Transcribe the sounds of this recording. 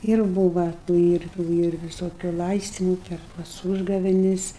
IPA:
ɪr ˈbuːʋɐ tuː ˈɪr tuː ˈɪr ʋʲɪˈsoːkʲʊ ˈlˠɐɪsʲtʲɪmʊ ˈpʲɛr tɐs ˈuːʒɡɐʋʲɛnʲɪs

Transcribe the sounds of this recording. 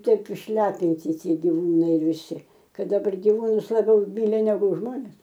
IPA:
ˈtɐɪp ɪʃʲˈlʲæːpʲɪnʲtʲɪ ˈtʲiɛ ɡʲɪˈʋuːnɐɪ ʋʲɪˈsʲɪ ˈkɐt dɐˈbɐr ɡʲɪˈʋuːnʊs lˠɐˈbʲɛʊˈmʲiːlʲɪ nʲɛˈɡʊ ˈʒmoːnʲɛs

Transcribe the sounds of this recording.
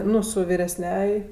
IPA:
ˈnʊ sʊ ʋʲɪrʲɛsʲˈnʲɛj

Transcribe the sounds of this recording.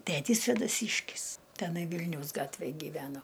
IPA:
ˈtʲætʲiːs sʲʋʲeːdɐˈsʲiːʃʲkʲɪs tʲɛˈnɐɪ ˈʋʲɪlʲnʲɛʊs ˈɡɑːtʲʋʲeːj ɡʲiːˈʋʲæːnoː

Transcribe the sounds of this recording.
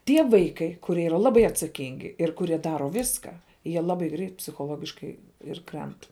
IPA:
ˈtʲiɛ ˈʋɐɪkɐɪ kʊˈrʲiɛ ˈiːrɐ ˈlˠɑːbɐɪ ɐtsɐˈkʲɪŋʲɡʲɪ ɪr kʊˈrʲiɛ ˈdɑːroː ˈʋʲiːskɑː ˈjiɛ ˈlˠɑːbɐɪ ɡrʲɛɪt pʲsʲɪxoːˈlˠoːɡʲɪʃkɐɪ ɪr ˈkrʲɛnt

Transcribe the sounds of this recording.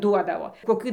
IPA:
ˈduɔdɐʋoː koːˈkʲiː

